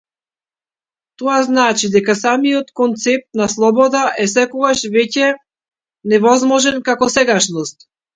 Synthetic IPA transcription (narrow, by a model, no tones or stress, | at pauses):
t̪ɔaznat͡ʃid̪ɛkasamijɔt̪kɔnt̪sɛp̚t̪naslˠɔbɔd̪aʔɛsɛkɔɡaʃvɛcɛ | nɛvɔzmɔʒɛnkakɔsɛɡaʃnɔst̪̚